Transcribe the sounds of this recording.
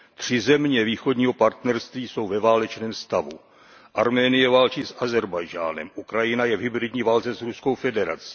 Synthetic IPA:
t̪r̝̥ɪzɛmɲɛviːxo̞dɲiːɦo̞paɾt̪nɛɾst̪viːso̞wvɛvaːlɛt͡ʃnɛːmst̪avṵ | ʔaɾmɛːnɪjɛvaːlt͡ʃisʔazɛɾbajʒa̰ːnɛ̰mʔukɾajɪnajɛvɦɪbɾɪdɲiːvalt͡sɛsɾusko̞wfɛdɛɾa̰t͡si̥

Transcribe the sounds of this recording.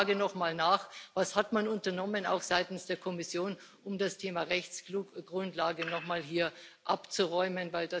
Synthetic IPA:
ɡənɔχmaːlnaːχvashatmanʊntɐnɔməna̰ʊxz̥aɪtn̩sd̥eːɐkʰɔmɪsjoːn | ʊmdastʰeːmaʁɛçt͡skluːkɡ̥ʁʊntlaːɡənɔχmaːlɦiːɐʔapt͡suʁɔʏmənvaɪlda

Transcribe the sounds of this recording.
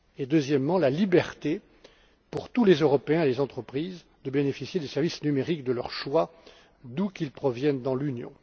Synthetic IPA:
ed̪øzjɛmːɑ̃lalibɛʁt̪e | puʁt̪ulezøʁɔpeɛ̃elezɑ̃t̪χəpχiz | d̪əbenefisjed̪esɛʁvisnymeʁikd̪əlœ̰ʁʃwa | d̪ukʲilpχɔvjɛnd̪ɑ̃lynjɔ̰̃

